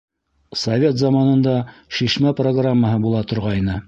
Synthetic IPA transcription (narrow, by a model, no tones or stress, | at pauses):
sɐvʲet̪zɑmɑnɤ̆nd̪ɑʃiʃmæproɡramːəɦɤbulˠɑt̪ŏɾʁɑjnɤ